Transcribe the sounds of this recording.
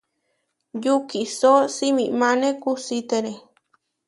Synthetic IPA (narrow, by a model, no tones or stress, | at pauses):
jukisosimĩmãnẽkusit̪eɾe